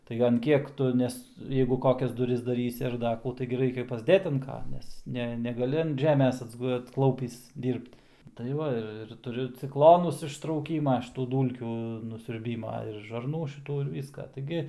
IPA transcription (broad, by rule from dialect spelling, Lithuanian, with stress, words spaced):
tɐɪ ɐn ˈkʲiɛk ˈtʊ ˈnʲɛs ˈjɛɪɡʊ ˈkoːkʲɛs dʊˈrʲɪs dɐˈrʲiːsʲɪ ɐr ˈdɐ kuː ˈtɐɪɡʲɪ ˈrɐɪkʲɛ pɐzʲˈdʲeːt ɐn ˈkɐ ˈnʲɛs ˈnʲɛ nʲɛɡɐˈlʲɪ ɐn ˈʒʲæːmʲeːs ɐdzˈɡʊ ɐtsˈklˠɐʊpʲiːs ˈdʲiːrpt tɐɪ ˈʋɐ ɪr ɪr tʊˈrʲʊ t͡sʲɪkˈlˠoːnʊs ɪʃtrɐʊˈkʲiːmɐ ʃʲɪˈtuː ˈduːlʲkʲuː nʊsʲʊrʲˈbʲiːmɐ ɪr ʒɐrˈnuː ʃʲɪˈtuː ɪr ˈʋʲiːskɑː tɐɪˈɡʲɪ